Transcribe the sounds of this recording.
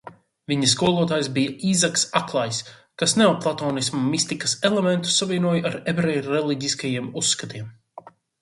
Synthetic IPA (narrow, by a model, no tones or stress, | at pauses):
viɲɐskuɔlˠuɔt̪aːjsbijaʔiːzaksaklˠaːjs | kasnawplˠat̪ɔːnismumist̪ikɐ̥selˠemɛnt̪u̥savʲiɛnuɔjaɾɛbɾɛjɾɛlˠiɟiskajiɛmusːkat̪iɛm